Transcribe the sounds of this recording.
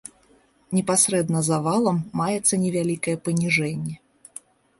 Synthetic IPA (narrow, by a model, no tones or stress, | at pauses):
nʲɛpasɾɛd̪nɐzavalˠɐmːajɛt̪sːɐnʲɛvʲalʲikɐjɛpɐnʲiʐɛnʲːɛ